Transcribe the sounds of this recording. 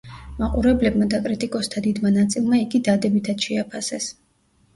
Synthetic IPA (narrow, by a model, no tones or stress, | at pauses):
maqʼuɾɛblɛbmad̪akʼɾit̪ʼikʼɔst̪ʰad̪id̪manat̪sʼilˠmaiɡid̪ad̪ɛbit̪ʰad̪ʃɛapʰasɛs